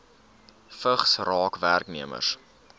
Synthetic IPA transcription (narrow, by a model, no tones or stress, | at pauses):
fəχsrɑːkværkniəmə̰rs